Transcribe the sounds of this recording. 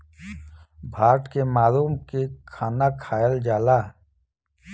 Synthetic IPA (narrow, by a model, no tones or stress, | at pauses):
bʱaːʈkemaːluːmkekʰaːnakʰaːjəld͡ʒaːlaː